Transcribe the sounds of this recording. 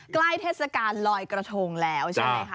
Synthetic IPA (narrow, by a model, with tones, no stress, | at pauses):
kla˥˩jt̪ʰeː˥˩sa˧kaː˧nlɔː˧jkɾa˧t̪ʰoː˧ŋlɛː˦˥wt͡ɕʰa˦˥˩a˧˩˥